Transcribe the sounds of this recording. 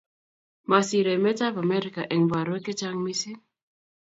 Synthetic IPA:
ma˨si˨ɾe˨me˦ta˦va˨mɛ˦ɾi˨ka˨ʔɛ˨ŋ˨va˨ɾwe˦ke˦t͡ʃa˦ŋmi˦si˦

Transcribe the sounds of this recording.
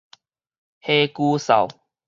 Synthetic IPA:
he˦ku˦sa̰˨˩w

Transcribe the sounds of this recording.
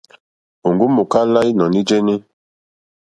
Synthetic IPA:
o˨ŋɡu˦mu˨ka˦la˦i˦nɔ̃˨ni˦d͡ʒe˦ni˦

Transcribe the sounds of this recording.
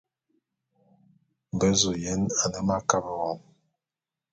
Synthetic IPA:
m˨bə˦zo˨jɛ˦na˨nə˦ma˦ka˦bə˨ɣɔ˨˦m

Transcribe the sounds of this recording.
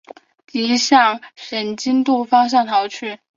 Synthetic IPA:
t̪i˧˥ɕjɑ˥˩ŋʂə˧˥nt͡ɕi˥nt̪u˥˩fɑ˥ŋɕ̬jɑ˥˩ŋt̪ʰɑ˧˥ʊt͡ɕʰy˥˩

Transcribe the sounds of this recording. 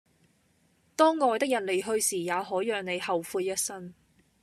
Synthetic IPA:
t̪ɔː˥ŋːɔː˨˧jt̪ɪ˥k̚jɐ˨˩n̚le˨˧jɦɵ˧ɥsiː˨˩jaː˨˧ɦɔː˨˥jœː˨ŋne˨˧jhɐ˨wfuː˧tjɐ˥t̚sɐ˥n

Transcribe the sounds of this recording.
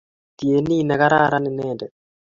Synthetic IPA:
t̪i˨e˨ni˦˨nɛ˨ka˦ɾa˦ɾa˦nɪ˨nɛ˦˨ndɛ˨

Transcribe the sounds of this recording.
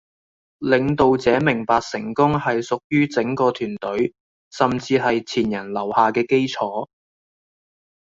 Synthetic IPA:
lɪ˨˧ŋt̪o˨wt͡sɛː˨˥mɪ˨˩ŋpaː˧k̚sɪ˨˩ŋkʊ˥ŋhɐ˨jsʊ˨k̚jyː˥t͡sɪ˨˥ŋkɔː˧t̪ʰyː˨˩nt̪ɵ˨˥ɥ | sɐ˨mt͡siː˧ɦɐ˨jt͡sʰiː˨˩njɐ˨˩nlɐ˨˩whaː˨kɛː˧ke˥jt͡sʰɔː˨˥

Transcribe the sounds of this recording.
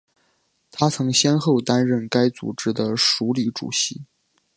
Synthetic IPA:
t̪ʰa˥t͡sʰɤ˧˥ŋɕjɛ˥nxo˥˩ʊt̪a˥nɻə˥˩nka˥ɪt͡sṵ˨˩ʈ͡ʂɻ̩˥d̪ə˨ʂu˧˥li˧˥ʈ͡ʂṵ˨˩ɕi˧˥

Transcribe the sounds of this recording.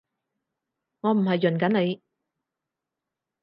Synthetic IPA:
ŋɔː˨˧m̩˨˩hɐ˨jːɵ˨˩nkɐ˨˥nne˨˧j

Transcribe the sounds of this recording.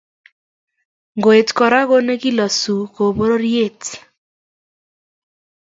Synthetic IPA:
ŋɡo˨e˨tkɔ˨ɾa˦ɣo˦ne˦ki˦lɔ˨su˨ko˨bo˦ɾo˦ɾje˦˨t

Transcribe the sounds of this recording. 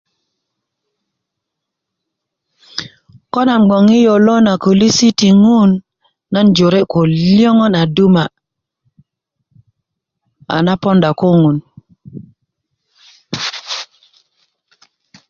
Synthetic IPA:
kɔ˦na˨mɡ͡bɔ˨ŋi˦jo˨lɔ˦na˨ko˨li˦si˦ti˨ŋu˦nː | a˦nd͡ʒo˨ɾe˦ko˨ljɔ˦ŋɔ˦na˨du˦ma˨ | a̰˨na˦pɔ˦nda˨ko˦ŋu˨n

